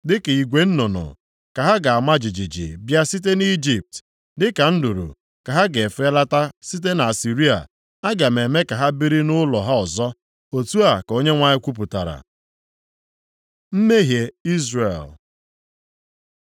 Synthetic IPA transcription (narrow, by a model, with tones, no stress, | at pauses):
dɪ˦ke˨i˨ɡʷe˦n̩˦nʊ˨nʊ̰˨ | ka˨ɦa˦ɡa˨a˨ma˦d͡ʒi˨d͡ʒi˨d͡ʒḭ˨bja˦si˦t̬e˦ni˦d͡ʒi˨p̚t | dɪ˦ka˨n̩˦du˨ɾṵ˨ | ka˨ɦa˦ɡe˨fe˦la˦ta˦si˦t̬e˦na˨a˨si˨ɾi˦a̰˨ | a˦ɡa˨me˨me˦ka˨ɦa˦bi˦ɾi˦nʊ˦lɔ˨ɦa˦ɔ˨zɔ˦ | o˨tu˦a˨ko˦ɲe˦ŋʷa˦ɲɪ˦kʷu˦p̬ʊ˨ta˨ɾa̰˨ | m̩˦me˦ɦje˨i˦zre˨l